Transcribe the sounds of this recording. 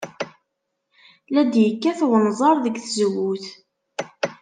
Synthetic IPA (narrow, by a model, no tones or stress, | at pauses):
læd̪jəkːæθwənzˤɑɾˤðəɡθəzwːuθ